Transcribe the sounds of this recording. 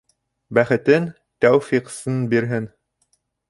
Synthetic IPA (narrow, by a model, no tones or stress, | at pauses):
bæχɘ̆t̪ɘn | t̪æwfiqsɤnbiɾɦɘn